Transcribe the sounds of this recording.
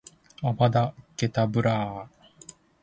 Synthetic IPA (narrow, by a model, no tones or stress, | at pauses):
abad̪ake̞t̪abɯ̟ɾaː